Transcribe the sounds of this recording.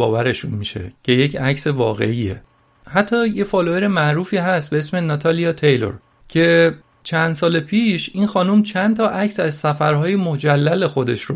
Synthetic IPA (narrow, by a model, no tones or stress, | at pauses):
ɒːvæɾe̞ʃunmiʃe̞̰cʰe̞je̞cʰæcse̞vɒːɣe̞̰iːḛ | hæt̪ʰːɒːje̞fɒloeɾe̞mæʔɾuːfiːɦæst̪̚be̞esme̞nɒt̪ʰɒlijɒt̪ʰejlo̰ɾ | cʰe̞ | t͡ʃʰænd̪s̬ɒːlepʰiːʃiːnxɒːnumt͡ʃʰænt̪ʰɒːʔæcsæzsæfæɾɦɒːjemod͡ʒælːæle̞xo̞d̪e̞ʃɾo